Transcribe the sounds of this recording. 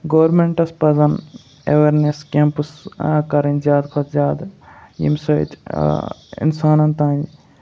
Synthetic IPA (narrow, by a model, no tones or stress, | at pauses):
ɡoːɾmeɳʈɐspɐzɐn | ḛʋeɾneskempuskɐɾɐnzjaːd̪kʰɐt̪zʲaːd̪jḭmʲsoḭt̪ | ḭnsaːnɐnt̪ãːn